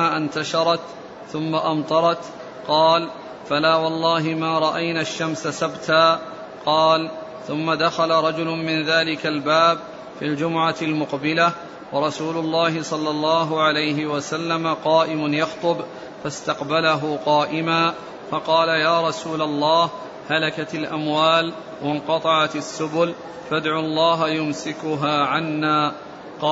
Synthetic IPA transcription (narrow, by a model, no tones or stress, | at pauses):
aʔant̪aʃɑɾˤɑt̪ | θʊmːaʔɑmt̪ˤɑɾˤɑt̪ | qɑːl | falaːwɑlˤːɑːɦɪmaːɾˤɑʔajnaːʃːamsasabt̪ʰaː | qɑːl | θʊmːad̪axalaɾˤɑd͡ʒʊlʊmɪnðaːlɪkalbaːb | fiːld͡ʒʊmʊʕalmʊqbɪla | wɑɾˤɑsuːlʊlˤːɑːɦɪsˤɑlːɑlˤːɑːɦʊʕalajɦɪwasalːamaqɑːʔɪmʊnjɑxt̪ˤʊb | fast̪ɑqbalaɦʊqɑːʔɪmaː | fɑqɑːlajaːɾˤɑsuːlalˤːɑːh | halakat̪alʔamwaːl | wʔɑnqɑt̪ˤɑʕat̪asːʊbʊl | fad̪ʕʊlˤːɑːɦajʊmsɪkʊɦaːʕanːaː | qɑ